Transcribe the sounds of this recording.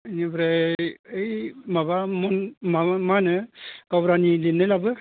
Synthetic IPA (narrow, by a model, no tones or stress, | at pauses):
nibɾeɯjmabamɔnmamanɯkabɾanilinːɯlabɯ